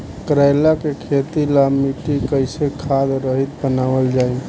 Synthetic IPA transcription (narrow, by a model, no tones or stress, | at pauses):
kɾaɪlakekʰet̪ilamiʈikəɪsekʰad̪ɾəɦit̪̚bənaʋəld͡ʒaːi